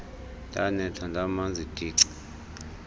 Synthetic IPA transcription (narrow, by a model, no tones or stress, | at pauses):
ndʱanɛtʰandʱamand͡zʱid̥ʱiːǀi̥